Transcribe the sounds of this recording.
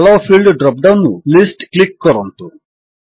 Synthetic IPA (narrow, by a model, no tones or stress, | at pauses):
loːpʰilɖɖɾɔp̚ɖɐwnːulisʈklikːɔɾont̪u